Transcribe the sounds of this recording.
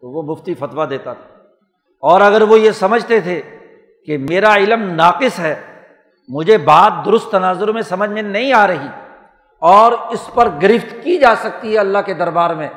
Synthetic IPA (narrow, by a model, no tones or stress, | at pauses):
t̪oʋomʊft̪ifɐt̪ʋad̪eːt̪at̪ʰḁː | ɔːɾɐɡəɾʋojesɐməd͡ʒʱt̪et̪ʰe | kemeːɾaɪləmnaːqɪsɦɛː | mʊd͡ʒʱebaːt̪̚d̪ʊɾʊst̪ːɐnaːzʊɾmẽsɐməd͡ʒʱmẽnɐɦĩaːɾɐɦiː | ɔːɾɪspɐɾɡɐɾɪft̪kid͡ʒaːsɐk̚t̪iɦɛɐlːaɦked̪ɐɾbaːɾmẽː